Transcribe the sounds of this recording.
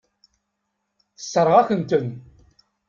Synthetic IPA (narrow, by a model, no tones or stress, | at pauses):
θə̥sːəɾˤʁakənt̪ən